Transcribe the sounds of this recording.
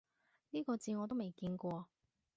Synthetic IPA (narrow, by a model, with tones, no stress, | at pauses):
niː˥kɔː˧t͡siː˧ŋɔː˨˧t̪o˥wme˨˩jkiː˧nkʷɔː˧